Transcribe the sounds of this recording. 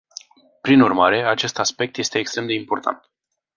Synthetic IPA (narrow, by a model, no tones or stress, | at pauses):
pɾinurmaɾe̞at͡ʃe̞st̪aspe̞k̚t̪je̞st̪e̞ːkst̪ɾemd̪e̞impo̞rt̪ʰa̰nt̪